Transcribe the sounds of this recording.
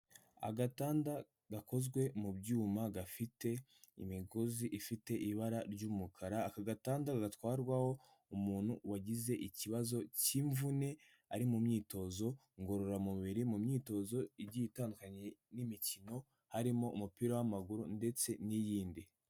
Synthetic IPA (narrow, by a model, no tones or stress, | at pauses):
a̰ɡataːnda | ɡako̞zɡwe̞mubɟuːmaɡafite̞ḭmiɡoziʔifite̞ʔiβaɾaɾɟuːmukʰaɾaːkaɡataːndaɡaɡatwaːɾɡwaho̞ | umuːnhuwaɟize̞ʔiciβazo̞ciɱvune̞ | aɾimumɲiːto̞zo̞ | ŋɡoɾoɾamuβiɾimumɲiːto̞zo̞iɟijitaːndukaɲenimicino̞ | haɾimo̞ʔumupiːɾowamaɡuɾunde̞t͡se̞nijiːndi